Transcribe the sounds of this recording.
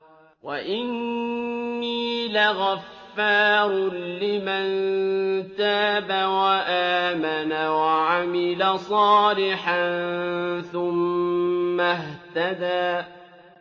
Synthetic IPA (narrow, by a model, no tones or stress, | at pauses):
waʔɪnː | iːlaɣafːɑːɾˤlɪmant̪aːbawaʔaːmanawaʕamɪlasˤɑːlɪħanθʊmː | aɦt̪ad̪aː